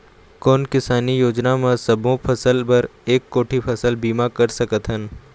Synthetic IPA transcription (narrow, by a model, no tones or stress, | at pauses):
kɔːnkɪsaːnijoːd͡ʒnamãsɐbʱõpʰɐsəlpɐɾeːkːoːʈʰipʰəsəlbiːmakəɾsəkət̪ɦən